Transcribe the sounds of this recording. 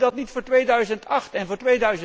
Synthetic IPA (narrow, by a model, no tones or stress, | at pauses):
dɑtnitfʊːɹtʋejdœɥzəntʰɑχtɛnvʊːɹtʋejdœɥzə